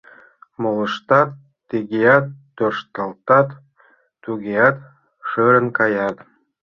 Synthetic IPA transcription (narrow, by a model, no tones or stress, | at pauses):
molˠɤ̆ʃt̪ɑt̪ | t̪iɡʲejɑt̪ːørʃt̪əlˠt̪ɑt̪ː | uɣʲejɑt̪ | ʃɤɾə̆nkɑjɑt̪